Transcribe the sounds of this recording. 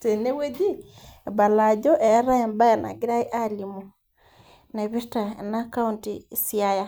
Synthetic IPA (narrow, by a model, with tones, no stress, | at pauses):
te˨ne˦we˦di˦˨ba˨la˨d͡ʒɔ˦ʔɛ˨˦ɾa˦ɛ˨mba˦a˨na̰˨ɡɪ˦ɾa˦i˦ʔa˦li˨mo˨ | nɛ˨βi˦sta˨na˦ka˦u˦nti˨sia˦ja˨